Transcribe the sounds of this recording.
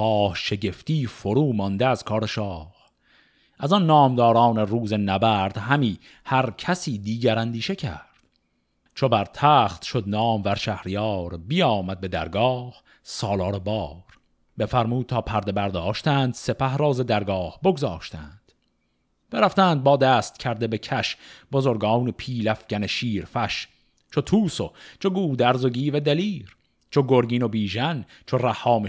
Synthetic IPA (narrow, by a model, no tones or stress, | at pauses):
ɒːhʃe̞ɟe̞ft̪iːfoɾuːmɒnd̪eæz̥kʰɒːɾeʃɒːh | ʔæzɒnːɒːmd̪ɒːɾɑːne̞ruːze̞næbæːɾd̪̥hæmiː | hæɾcʰæsiːd̪iːɟæɾænd̪iːʃecʰæ̰ɾd̪̥ | t͡ʃʰobæɾt̪ʰæːχt̪ʃo̞d̪nɒːmvæɾʃæhɾijɒːɾbijɒːmæd̪̚be̞d̪æɾɡɒːh | sɒːlɒːɾebɒːɾ | befæɾmuːd̪̚t̪ʰɒːpʰæɾd̪e̞bæɾd̪ɒːʃt̪æːnd̪se̞pʰæhɾɒːzed̪æɾɡɒːhboɡzɒːʃt̪ʰæ̰nd̪̥ | b̥eɾæft̪æːnd̪̚bɒːd̪æːst̪cʰæɾd̪e̞be̞cʰæʃbozoɾɡɒːnepʰiːlæfɡæneʃiːɾfæʃ | t͡ʃʰot̪ʰuːsot͡ʃʰoɡuːd̪æɾzoɡiːved̪æliːɾ | t͡ʃʰoɡoɾɡiːnobiːʒæn | t͡ʃʰoræhːɒːme